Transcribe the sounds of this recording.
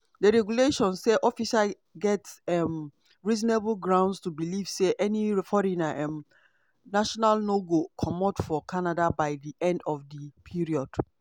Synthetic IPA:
dəɹɛɡjuleʃɔ̃nsseʔɔfiʃa | ɡɛtsɛm | ɹizɔneblɡɹãʊ̃ndstubilivseʔɛnifɔɾinaʔɛm | naʃɔnalnoɡokʰɔmɔtfɔkʰanadabaɪdiʔɛ̃ndɔfdəpʰiɹiɔd̥

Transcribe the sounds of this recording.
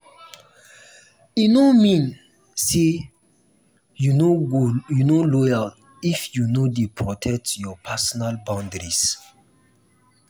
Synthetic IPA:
inomĩn | se | ju | junolɔjal | ifjunodepʰɹɔtʰɛk̚tjɔpʰasɔnalbãʊ̃ndɹis

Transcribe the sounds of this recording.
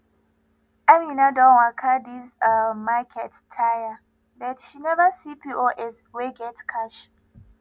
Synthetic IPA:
aminadɔ̃nakʰadisamakʰɛtːʰaja | ðɛtʃinɛvəsipiʔoʔɛs | weɡɛtkʰaʃ

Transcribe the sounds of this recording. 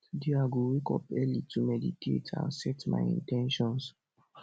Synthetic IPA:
diaɡowekɔ̰pɛlitʰumɛditʰḛtʰã̰nsɛtma̰ɪjḭ̃ntɛ̃nʃɔ̃ns

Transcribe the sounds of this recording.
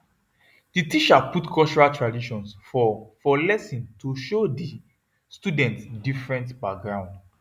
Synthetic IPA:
d̥itiʃaputkʰɔlt͡ʃɔɹaltɹadiʃɔ̃nsfɔfɔlɛsĩntuʃodi | studɛ̃ntsdifɹɛ̃ntbak̚ɡɹãʊ̃nd

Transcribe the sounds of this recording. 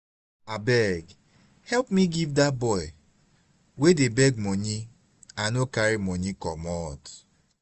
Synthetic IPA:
abɛɡ | hɛlpmiɡivdabɔɪ | wedebɛɡmɔɲi | anokaɾimɔɲikɔ̰mɔt

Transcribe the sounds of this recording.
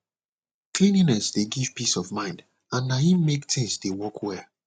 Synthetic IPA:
kʰlĩninɛsdeɡiv̥pisɔvmãɪ̃nd | ãnːahĩmmektʰɪ̃ŋsdewɔkʰwɛ

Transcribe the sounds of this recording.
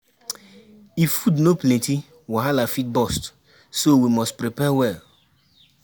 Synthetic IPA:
ifːudnoplɛ̃nti | wiɦalafit̚bɔst | sowimɔstpɾipɛwɛl

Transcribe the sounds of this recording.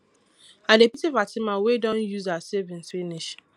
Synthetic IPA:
adepitifatɪmawedɔ̃njuzasevĩnsfiniʃ

